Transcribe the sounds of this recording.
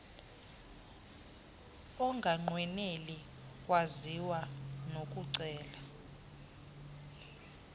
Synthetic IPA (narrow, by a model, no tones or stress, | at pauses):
ɔŋɡʱaŋ͡ǃwɛneli | kʼwaziwanok̬ʼuǀɛːla